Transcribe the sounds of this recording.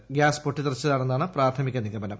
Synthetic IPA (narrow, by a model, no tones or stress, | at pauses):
ɡjaːspoʈːit̪irɐt͡ɕːɐðaːɳe̞nːaːɳɨpraːɾt̪ʰɐmikʲːɐnːikːɐbɐnɐm